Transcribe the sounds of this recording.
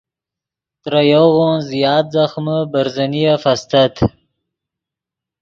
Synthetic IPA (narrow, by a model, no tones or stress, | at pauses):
t̪ɾajoɣonzjɑːt̪̚zaxməbaɾzanijafast̪at̪